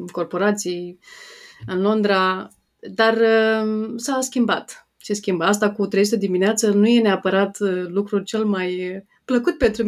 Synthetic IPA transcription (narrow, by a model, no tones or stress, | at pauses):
ko̞rpo̞ɾat̪sij | ɨnlo̞nd̪ɾa | d̪ar | saskʲimbat̪ | t͡ʃeskʲimbəas̬t̪akut̪ɾezut̪ed̪imineat̪sənuje̞neapəɾat̪lukɾut͡ʃe̞lmaj | pləkut̪̚pe̞nt̪ɾum